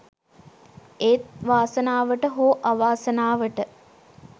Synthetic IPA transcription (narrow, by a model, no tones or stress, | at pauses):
eːt̪̚ʋaːsənaːʋəʈəɦoːʔaʋaːsənaːʋəʈə